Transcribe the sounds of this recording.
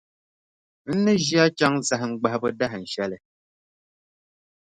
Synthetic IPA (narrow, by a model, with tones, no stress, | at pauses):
n̩˦nɨ˦ʒi˦a˦t͡ʃa˦ŋ˦sa˨ɦŋ͡m̩˦ɡ͡ba˦hbə˦da˦ɦn̩˨ʃɛ˦lɛ˨